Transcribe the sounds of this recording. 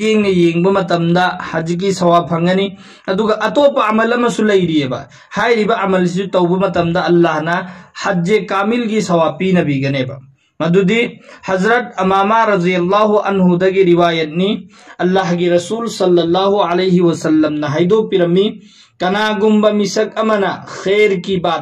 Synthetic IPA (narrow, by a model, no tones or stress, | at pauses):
eŋnɐjeŋbɐmɐtɐmdɐhɐd͡ʒik̬isɐwapʰɐŋɡɐni | ɐduɡɐʔɐtopɐamɐlɐmɐsulɐjɾiebɐ̰ | hajɾibɐʔamɐls̬isutɐwbɐmɐtɐmdɐɐlːahnɐhɐd͡ʒekamilɡisɐwapinɐbiɡɐnebɐ̰ | mɐdudihɐzɾɐt̚ɐmamaɾɐd̪ijɐlːaɦuʔɐ̰nɦudɐɡiɾiwajɐt̚ni | ɐlːaɦɡiɾɐsulsɐlːɐlːaɦualejɦiwɐsɐlːɐmnɐɦɐjdopiɾɐmːi | kɐnaɡumbɐmisɐk̚ɐmɐnɐxʰeɾkibat̚